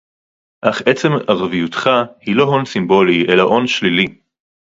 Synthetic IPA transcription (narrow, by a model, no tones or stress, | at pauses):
ʔaχʔet͡se̞maʁavijut̪χahilo̞ɦo̞nsimbo̞liʔe̞laʔo̞nʃlili